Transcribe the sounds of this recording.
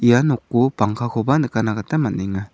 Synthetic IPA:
ijanɔkːupaŋkʰakʰɔbanɯkanaɡatamaniŋa

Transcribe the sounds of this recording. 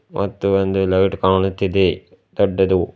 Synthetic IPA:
mʔɐ̰t̪ːuond̪ulɐjʈkaːɳut̪ːid̪e | d̪ɔɖːɐd̪u

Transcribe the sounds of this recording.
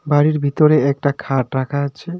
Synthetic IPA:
baɾiɾbʱit̪oɾeɛk̚ʈakʰaʈɾakʰaatːɕʰe

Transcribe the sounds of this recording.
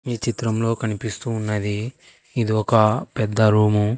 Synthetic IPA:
iːt͡ʃit̪ɾɐmlo̞ːkɐnipist̪uːnːɐd̪iː | d̪iɔkɐpɛd̪ːɐɾuːmu

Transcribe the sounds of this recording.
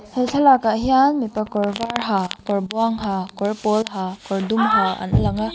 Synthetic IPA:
helɬʰalakaɦijanmipakɔɾvaɾɦakɔɾbuaŋɦakɔɾpɔlɦakɔɾdumɦaa̰nɐ̰laŋa

